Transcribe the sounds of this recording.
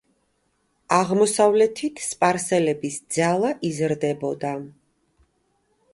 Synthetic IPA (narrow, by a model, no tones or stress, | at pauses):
aʁmɔsavlɛt̪ʰit̪ʰspʼaɾsɛlɛbisd̪zalˠaʔizɾd̪ɛbɔd̪a